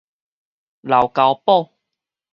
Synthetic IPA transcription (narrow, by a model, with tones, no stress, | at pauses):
la˨˩wka˨˧˦wpɔ˥˧˨